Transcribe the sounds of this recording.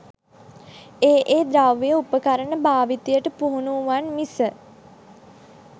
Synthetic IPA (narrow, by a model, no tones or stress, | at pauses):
eːʔeːd̪ɾaʋejəupəkaɾəɳəbaːʋit̪ijəʈəpuɦunuʋanmisə